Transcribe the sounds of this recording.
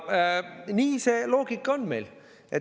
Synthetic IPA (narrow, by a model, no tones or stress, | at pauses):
niːse̞ːlo̞ːɡ̥ikːˑonmḛjl | e